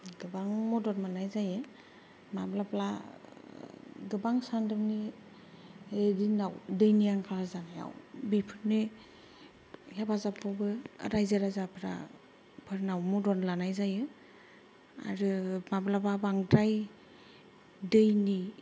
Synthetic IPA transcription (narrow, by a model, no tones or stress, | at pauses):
ɡɯbaŋmɔdɔnmanajzajɯ | mablapla̰ | ɡɯbaŋsandɯmni | edinawdɯjniaŋkʰalazanaja̰wbipʰɯɾne | hebʰazapʰɔbɯ̰ɾajzaɾazapʰɾa̰ | pʰɯɾnawmɔdɔnlanajzajɯ | a̰ɾɯmablablabaŋdɾaj | dɯjni